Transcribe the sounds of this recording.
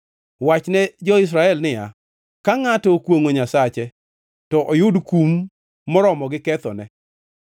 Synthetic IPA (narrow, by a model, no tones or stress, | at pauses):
wat͡ʃnɛd͡ʒɔɪs̬ɾaɛlnɪja̰ | kaŋatɔkwoŋoɲasat͡ʃɛ | tɔʔojʊdkumː | ɔɾɔmɔɡɪkɛt̪ɔ̰nɛ